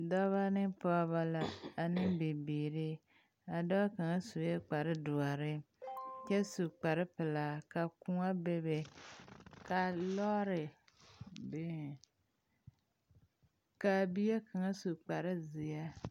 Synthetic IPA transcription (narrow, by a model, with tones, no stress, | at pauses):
dɔ˦βa˦nɪ˦pɔ˦βa˦la˨a˨nɪ˦bɪ˨biː˨ɾɪ˦ | a˨dɔ˦ka˨ŋa˦su˨˦jɛ˦k͡pa˨ɾɪ˦dʊ˨a˨ɾɪ˦ | t͡ʃɛ˦su˨k͡pa˨ɾɪ˦pɪ˨la˨ka˨ku˦ŋa˦be˦be˨ | ka˨lɔ˦ɾɪ˨ | be˦˨ | ka˨bi˦je˦ka˨ŋa˦su˨k͡pa˨ɾɪ˦zɪ˨ja˦